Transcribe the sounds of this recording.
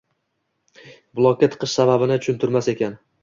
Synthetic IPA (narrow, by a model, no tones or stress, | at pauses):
bʊlˠɒkʲːat̪ʰɨ̥qʰɨʃsababɪnɪt͡ʃʰʊ̥ʃʊnt̪ʰʊɾmase̞kʲan